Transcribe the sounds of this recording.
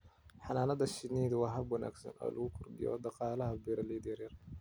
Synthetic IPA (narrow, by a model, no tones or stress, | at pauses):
ħɑnaːnɐd̪ɐʃɪniːðwɑɦɐbwɐna̰ːɡsɐ̰nʔɔ̰ːlʔɐɣʊkʰʊrd̪ɪ̰jɔ̰ːd̪ɑqɑːlɐɦɐbiːɾɐlid̪jɐrjɐr